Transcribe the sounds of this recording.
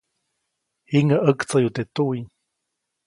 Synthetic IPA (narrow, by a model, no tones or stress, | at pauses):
hiŋaʔəkt͡sajut̪et̪ui